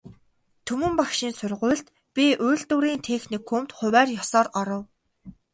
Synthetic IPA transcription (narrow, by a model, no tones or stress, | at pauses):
t̪ʰɵmɵ̆mpakʃĭnsʊrʁʊ̟ːɮt̪ | pʲiʔʊːɮt̪uɾiːnt̪ʰexnikʰːumt̪χʊ̟wæːrjɔsɔːrɔɾɞ̆w